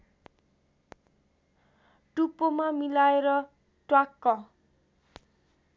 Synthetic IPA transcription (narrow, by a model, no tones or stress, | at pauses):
ʈupomamilaeɾʌ | ʈwakːʌ